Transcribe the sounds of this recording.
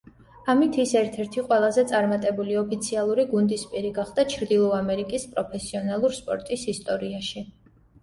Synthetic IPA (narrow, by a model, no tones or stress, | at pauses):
amit̪ʰisɛɾt̪ʰɛɾt̪ʰiqʼwɛlˠazɛt̪sʼaɾmat̪ʼɛbuliɔpʰit̪sʰialˠuɾiɡund̪ispʼiɾiɡaχd̪̥at͡ʃʰɾd̪ilˠɔamɛɾikʼispʼɾɔpʰɛsiɔnalˠuɾspʼɔ̰ɾt̪ʼisist̪ʼɔɾiaʃi